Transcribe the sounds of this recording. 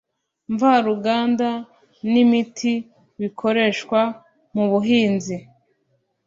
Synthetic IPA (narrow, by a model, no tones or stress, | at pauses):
ɱvaɾuɡaːnda | nimitʰi | βikʰo̞ɾe̞ʃkwa | muβuɦiːnzi